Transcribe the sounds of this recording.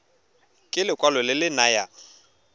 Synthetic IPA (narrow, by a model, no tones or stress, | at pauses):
kʼɪlɪkʼwalɔlɪlɪnaja